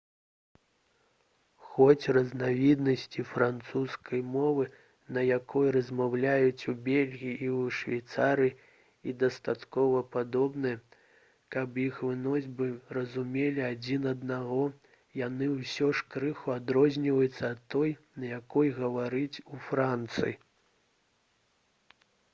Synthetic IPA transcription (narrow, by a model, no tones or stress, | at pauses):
xɔt͡sʲrɐznavʲid̪nɐsʲt͡sʲifɾant̪suskʰɐjmɔvɨ | nɐjakɔjrɐzʲmawlʲajut͡sʲubʲelʲɣʲijiʔiwʂvʲajt̪saɾɨji | id̪ɐst̪at̪kɔvɐpad̪ɔbnɨjɛ | kɐpjixvɨnɔzʲbɨrɐzumʲelʲiad͡zʲinɐd̪naɣɔ | janɨwsʲɔʂkɾɨxuad̪ɾɔzʲnʲivɐjut̪sːɐːt̪ːɔjnɐjakɔjɣɐvaɾɨt͡sʲufɾant̪sɨ̰ji